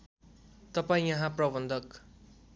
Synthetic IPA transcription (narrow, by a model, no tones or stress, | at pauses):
t̪ʌpaĩjʌɦãprʌbʌnd̪ʱʌk